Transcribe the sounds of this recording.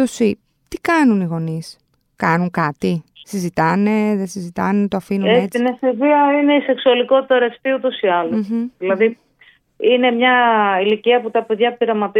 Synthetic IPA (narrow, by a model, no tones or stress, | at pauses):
osi | t̪ikɐnuniɣo̞nis | kɐnuŋkɐt̪isizit̪ɐne̞ðesizit̪ɐnet̪oɐfinuneett͡sineseviɐine̞ise̞ksuɐliko̞t̪it̪ɐɾɐst̪iut̪o̞siɐlosðilɐði | ine̞mɲɐiliciɐput̪ɐpeðʝɐpiɾɐmɐt̪i